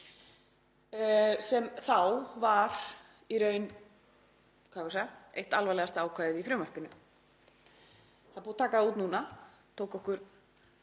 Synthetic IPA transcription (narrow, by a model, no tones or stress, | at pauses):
sɛmθawvaɾ | iɾœːɥn | kʰaːfɔsaaejht̪alvalɛɣast̪aːwkʰaːjðɪðifɾʏmar̥pɪnʏ | θaðpuːðt̪ʰaːkaðuːt̪nuːna | t̪ʰowkɔhkʏɾ̥